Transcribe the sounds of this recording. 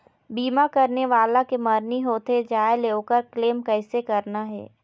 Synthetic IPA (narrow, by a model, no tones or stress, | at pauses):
biːmakɐɾneʋaːlakemɐɾniɦoːt̪ed͡ʒaːeleːokəɾkleːmkɛːsekɐɾnaɦɛ̰ː